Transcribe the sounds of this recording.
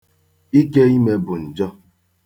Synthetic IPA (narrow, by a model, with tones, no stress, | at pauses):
i˦ke˦i˦me˦bʊ˨n̩˨d͡ʒɔ˦